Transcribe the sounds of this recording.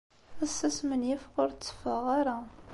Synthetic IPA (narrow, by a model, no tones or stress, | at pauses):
æsːəsmənjifʁʊɾt͡sːə̥fəʁaɾa